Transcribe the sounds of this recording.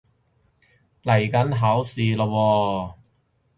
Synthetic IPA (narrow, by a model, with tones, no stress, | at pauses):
lɐ˨˩jkɐ˨˥nɦaː˨˥wsiː˨lo˧wɔː˧